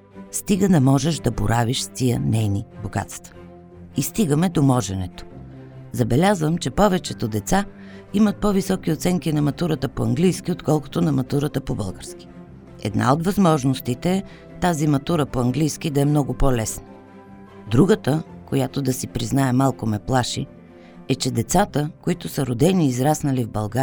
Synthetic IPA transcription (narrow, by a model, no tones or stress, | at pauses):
st̪iɡənɐmɔʒɛʒd̪ɐbo̰ɾʔaviʃst̪ijənɛjniboɡa̰t̪st̪və̥ | ist̪iɡəmɛd̪omɔʒɛnɛ̰t̪o̥ | zɐbɛlʲazvəmt͡ʃɛpɔvɛt͡ʃɛt̪od̪ɛt̪sa | imɐt̪̚pɔvisɔk̟iot̪sɛŋkinɐmɐt̪uɾət̪əpoɐŋɡlijsk̟iot̪kɔlˠko̥t̪onɐmɐt̪uɾət̪əpobɤ̰lˠɡəɾsk̟i̥ | ɛ̰d̪na̰od̪vɐzmɔʒnost̪it̪ɛɛ | t̪azimɐt̪uɾəpoɐŋɡlijskid̪ɐɛmnɔɡʊpɔlɛsnə̥ | d̪ɾuɡət̪əkojat̪od̪ɐsipɾiznaɛmalˠkomɛplˠaʃḭ | ɛt͡ʃɛd̪ɛt̪sat̪əkoit̪ʊsəɾod̪ɛniːzɾasnɐlivbɐlˠɡa